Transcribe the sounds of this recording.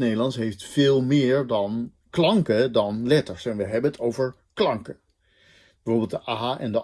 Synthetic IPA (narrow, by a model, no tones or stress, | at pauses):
nejdəlɑntsɦejftfɪːlˠmɪːɹdɑn | klɑŋkədɑnlɛtəɹsɛnʋəɦɛbənətʰowvəɹ | klɑŋkə | bɛvoːɹbɪlˠtəʔaɦaʔɛndə